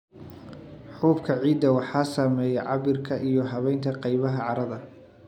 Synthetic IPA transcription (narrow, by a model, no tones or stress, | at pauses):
ħuːbkʰɐʕiːd̪ːɐwɑħɑːsaːmɛːjɛʕɑβɪrkʰɐʔijɔɦɐβɛjnt̪ʰɐqɑjβɐɦɐʕɑɾɐðɐ